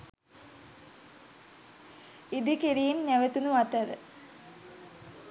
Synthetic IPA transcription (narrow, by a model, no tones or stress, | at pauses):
id̪ikiɾiːmɲæʋet̪unuat̪əɾə̰